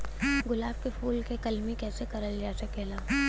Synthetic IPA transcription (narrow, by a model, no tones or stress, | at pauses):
ɡʊlaːb̚kefuːlkekɐlmikɛːsekɐɾəld͡ʒaːsɐkeːlaː